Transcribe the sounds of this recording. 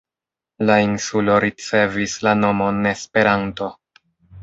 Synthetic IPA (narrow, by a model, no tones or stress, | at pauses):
lainsulo̞ɾit͡se̞vislano̞mo̞ne̞spe̞ɾanto̞